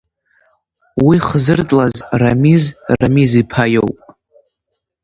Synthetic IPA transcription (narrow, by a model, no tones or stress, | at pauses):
wiχzɨrd͡zʼlazramizra̰mizipʰajowpʼ